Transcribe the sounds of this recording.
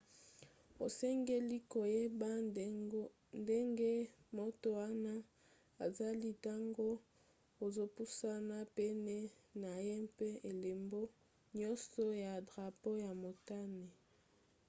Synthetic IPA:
o̰˨sɛ˦ŋɡe˦li˦ko˨je˦ba˦ | nde˦ŋɡe˦mo˦to˨wa˦na˦ | a˨za˦li˦ta˦ŋɡo˦ | o˨zo˦pu˦sa˦na˦pɛ˦ne˦na˨je˦pe˦e˨le˨mbo˦ | ɲɔ˦nsɔ˦ja˨dʁa˨po˦ja˨mo˨ta˦ne˨

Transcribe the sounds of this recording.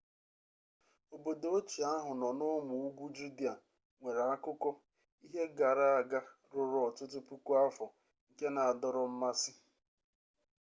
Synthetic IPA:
o˨bo˨do˨o˦t͡ʃi˨a˦ɦʊ˨nɔ˨nʊ˦mʊ˨u˦ɡu˦d͡ʒu˦di˦a˨ | ŋʷe˨ɾa˨a˦kʊ˦kɔ˦ | i˦ɦe˦ɡa˨ɾa˦a˨ɡa˦ | ɾʊ˨ɾʊ˨˦ɔ˨tʊ˦tʊ˦pu˦kʷu˦a˦fɔ˨ | ŋ̩˨ke˦na˨a˨dɔ˦ɾɔ˨m̩˦ma˦sɪ˦

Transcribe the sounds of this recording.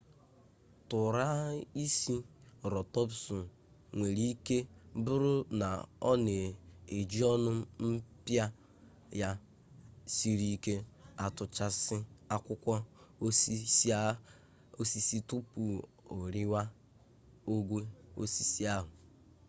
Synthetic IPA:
tʊ˨ɾa˦i˦si˦ɾɔ˨tɔ˦psʊ˨ | ŋʷe˨ɾi˦ke˦bʊ˦ɾʊ˦na˨ɔ˦ne˨e˨d͡ʒi˦ɔ˦nʊ˦m̩˦pja˦ | ja˦ | si˦ɾi˦ke˦a˦tʊ˨t͡ʃa˦sɪ˦a˦kʷʊ˦kʷa˦o˦si˦s | o˦si˦si˦tʊ˦pu˨ | o˨ɾɪ˦wa˦ | o˦ɡʷe˦o̰˦si˨si˦a˦ɦʊ˨

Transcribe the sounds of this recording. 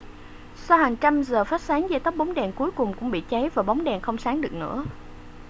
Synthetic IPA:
sa˧whaː˨˩ŋt͡ɕa˧mzəː˨˩fa˦˥t̚saː˨˦ŋzɛː˧˩t̪ə˦˥p̚ɓa˨˦wŋ͡mɗɛ˨˩nku˨˦jkʊ˨˩ŋ͡mkʊ̰˧˥ŋ͡mɓḭ˧˨t͡ɕɛ˨˦jvaː˨˩ɓa˨˦wŋ͡mɗɛ˨˩nxə˧wŋ͡msaː˨˦ŋɗɨ˨˩ək̚nɨ̰˧˥ə

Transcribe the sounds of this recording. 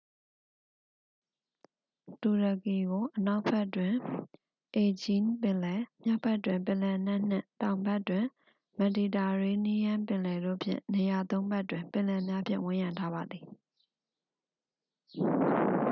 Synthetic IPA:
tu˨ɹə˨ki˨ɡo˨ʔəna˦ʊʔpʰɛ˦ʔtwɪ̃˨ | ʔe˨d͡ʑĩ˦npɪ̃˨lɛ˨mja˦pʰɛ˦ʔtːwɪ̃˨mpɪ̃˨lɛ˨n̥ɛ̃˦ʔn̥ɪ̰̃˦˨tã˨ʊ̃mbɛ˦ʔtːwɪ̃˨ | mɛ˨di˨ta˨ɹe˦ni˦jã˦mpɪ̃˨lɛ˨do̰˦˨pʰjɪ̰̃˦˨ne˨ja˨t̪õ˦ʊ̃mbɛ˦ʔtwɪ̃˨mpɪ̃˨lɛ˨mja˦pʰjɪ̰̃˦˨wɪ̃˦˨jã˨ntʰa˦ba˨d̪ði˨

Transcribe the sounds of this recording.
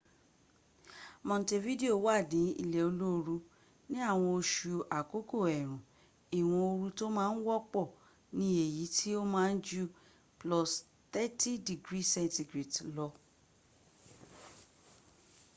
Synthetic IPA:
mɔ̃˨n˨te˧vi˦de˦o˦˨wa˦˨dĩ˨˦ḭ˧˨lɛ˨o˧lo˦o˧ɾu˧ | nĩ˦a˦˨w̃ɔ̃˧o˧ʃu˨a˨ko˨˦ko˦˨ɛ˨ɾ̃ũ˨ | i˨w̃ɔ̃˧o˧ɾu˧to˦mãː˦n̩˦wɔ˦k͡pɔ˦˨ | nĩ˧˦e˦˨ji˨˦tʰi˦o˦mãː˦˧n̩˦d͡ʒu˦ | plɔ˨s | t̪ɛ˦ti˦di˨ɡɾi˦sɛ̃˦nti˧ɡɾi˨tlɔ˧

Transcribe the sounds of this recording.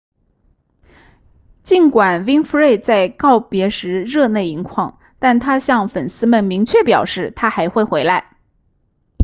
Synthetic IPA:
t͡ɕi˥˩nkwa˨˩nwi˥ŋfu˧˥ɻe˥˧ɪt͡sa˥˧ɪkɑ˥˩ʊpjɛ˧˥ʂɻ̩˧˥ɻɤ˥˧ne˥˩ɪi˧˥ŋkʰwɑ˥˩ŋ | t̪a˥˩nt̪ʰa˥ɕjɑ˥˩ŋfə˨˩nsɹ̩˥mə˥˨˩nmi˧˥ŋt͡ɕʰɥɛ˥˩pjɑ˨˩ʊʂɻ̩˥˩t̪ʰa˥xa˧˥ɪxwe˥˩ɪxwe˧˥ɪla˧˥ɪ

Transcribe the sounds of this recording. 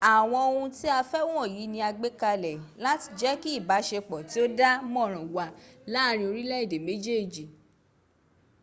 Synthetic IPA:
a˨w̃ɔ̃˧o˧hũ˧ti˦a˧fɛ˦wũ˦ɔ̃˦˨ji˨˦nĩ˧a˧ɡ͡be˦ka˧lɛ˨la˨˦ti˧d͡ʒɛ˦ki˦i˦˨ba˨˦ʃe˧k͡pɔ˨ti˨˦o˦da˦mɔ̃˦˨ɾ̃ɔ̃˨wa˨la˦˨ɾ̃ĩ˧o˧ɾi˦lɛ˦i˦˨de˨me˨˦d͡ʒe˦˨d͡ʒi˨

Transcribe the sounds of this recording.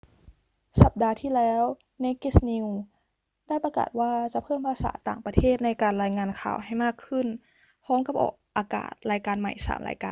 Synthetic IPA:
sa˨˩p̚daː˧t̪ʰiː˥˩˨lɛː˦˥w | na˧˥jke˧˥˩sni˧w | da˥˩jpa˧ka̰ː˨˩t̪̚waː˧˥˩t͡ɕa˧˩˦pʰɤː˥˩mpʰaː˧˥sa̰ː˩˦t̪aː˨˩ŋpa˧t̪ʰeː˥˩t̪̚na˧jkaː˨˩nlaː˧jŋaː˧nkʰa̰ː˨˩wɦa˧˩jmaː˥˩kʰːɯ˧˥˩n | pʰɔː˦˥mka˧˦p̚ʔɔ̰ː˨˩k̚ʔaː˧ka̰ː˨˩t̪̚laː˧jkaː˧nma̰˨˩jsa̰ː˩˦mla̰ː˧jkaː˧

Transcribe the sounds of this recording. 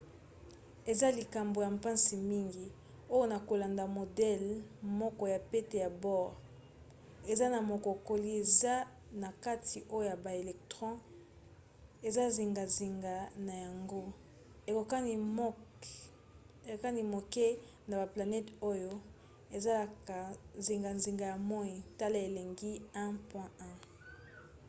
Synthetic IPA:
e˨za˦li˨ka˨mbo˨ja˨mpã˦nsi˨mi˦ŋɡi˨ | o˦jo˦na˨ko˨la˨nda˨mo˨dɛ˦lmɔ˦kɔ˨ja˨pe˦te˨ja˨bɔ˦ʁ | e˨za˦na˨mo˨ko˨ko˨li˦e˨za˦ | na˨ka˦tʰi˨ʔo˦jo˦ja˨ba˨e˨lɛ˨k̚tʁɔ̃˦ | e˨za˦zi˨ŋɡa˨zi˨ŋɡa˨na˨ja˨ŋɡo˦ | e˨ko˨ka˦i˨˦ | e˨ka˦ni˦mo˨ke˦ | na˨ba˨pla˨nɛ˦to˦jo˦ | e˨za˦ka˨zi˨ŋɡa˨nzi˨ŋɡa˨ja˨mɔ˦i˨ta˦le˦e˨le˨ŋɡi˦ɛ̃˦pwɛ̃˦ɛ̃˦

